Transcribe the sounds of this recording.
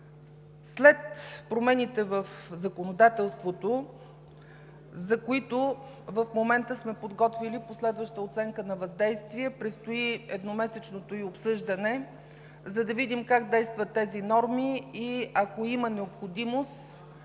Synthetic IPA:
slɛt̪pɾomɛnit̪ɛvəfzɐkonod̪at̪ɛlˠst̪vot̪o | zɐkoit̪o | vəfmomɛnt̪əsmɛpod̪ɡɔt̪viliposlɛd̪vəʃt̪əot̪sɛŋkənɐvɐzd̪ɛjst̪viɛpɾit̪st̪oiɛd̪nomɛsɛt͡ʃnot̪oiopsɤʒd̪ənɛ | zɐd̪ɐvid̪imkaɡ̚d̪ɛjst̪vɐt̪ːɛzinɔɾmiiɐkoimənɛopxod̪imost̪

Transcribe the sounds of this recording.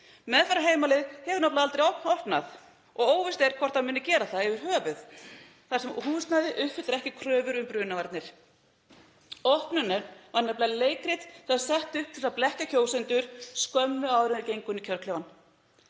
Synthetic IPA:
mɛðfaɾaɦeːjmalɪðhɛvʏɾnɔplaðalt̪ɾejɔhpnɔhpnaθ | ɔɣoːwvɪst̪ɛɾ̥kʰvɔr̥t̪amʏːnːɪcɛːɾaθaðɛvʏɾ̥ɦœːvʏθ | θḁsɛmhuːst̪naðɪʔʏhpfɪt̪ɾɛhcɪkʰɾœːvʏɾʏmpɾʏːnavaɾt̪nɪɾ̥ | ɔhpnʏnːɛɾvaɾnaplaleːjkɾɪt̪θaðsɛht̪ʏhp̚t̪ʰɪlsaplɛhcaçʰoːwsɪnt̪ʏɾ̥skœmnʏaːwvðɾʏnɪɾcejŋkʏnicʰœɾklɪvan

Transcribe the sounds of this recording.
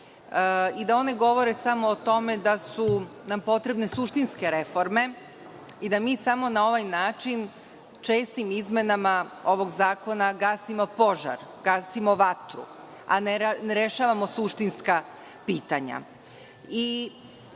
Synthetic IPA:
id̪ao̞ne̞ɡo̞ʋo̞ɾe̞samoːt̪o̞me̞d̪asunampo̞t̪ɾe̞bne̞suʃt̪inske̞ɾe̞fo̞ɾme̞ | id̪amiːsamo̞nao̞ʋajnaːt͡ʃin | t͡ʃe̞ːst̪imizme̞namao̞ʋo̞ɡzaːko̞naɡasimo̞po̞ʒa̰ɾɡ̥aːsimoʋat̪ɾṵ | a̰neɾe̞ʃaːʋamo̞suʃt̪inska | piːt̪aɲa̰ | i

